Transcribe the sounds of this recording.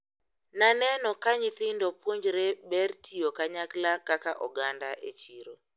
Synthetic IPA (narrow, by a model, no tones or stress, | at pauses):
nanɛnɔkaɲiθɪndɔpwoɲd͡ʒɾɛbɛrtʰijokaɲaklakakaʔɔɡandaʔet͡ʃiɾo